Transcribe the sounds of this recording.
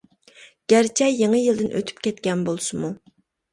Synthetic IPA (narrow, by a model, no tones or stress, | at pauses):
ɡ̥ʲæɾt͡ʃʰɛjjːeŋəjɨlˠd̪ɪnʔø̰t̪ʰy̥pkʲɛt̪̚kʲɛnbolˠsɨmu